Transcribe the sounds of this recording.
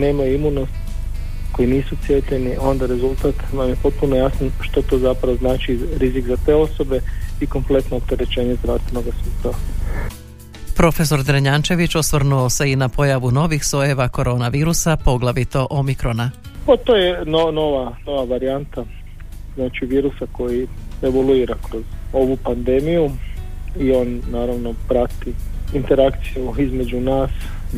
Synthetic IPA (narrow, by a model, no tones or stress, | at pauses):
ne̞ːmajuimunost̪ | ko̞jiniːsut̪sje̞t̪ʎe̞niʔo̞nd̪aɾe̞zulˠt̪at̪namjepo̞t̪̚punojasanʃt̪ot̪o̞ːzapɾaʋoznaːt͡ʃiɾizikzat̪e̞ːo̞so̞be̞iko̞mple̞t̪noːp̚t̪e̞ɾet͡ʃe̞ːɲezɾast̪ʋenoɡasuːst̪aʋa | pɾo̞fe̞so̞ɾd̪ɾeɲant͡ʃe̞ʋit͡ʃosʋrɾnuose̞inapʰo̞jaʋuno̞ʋixso̞jeʋako̞ɾʔo̞ːnaʋiːɾusapo̞ɡlˠaʋit̪o̞ʔo̞mikɾo̞napat̪oːjenonoʋano̞ʋaʋaɾiant̪a | znaːt͡ʃiʋiːɾusako̞jieʋolˠuiːɾakɾozo̞ʋupand̪emiju | io̞nːaːɾaʋno̞pɾat̪iint̪eɾakt̪sijuizme̞d͡ʒunaːs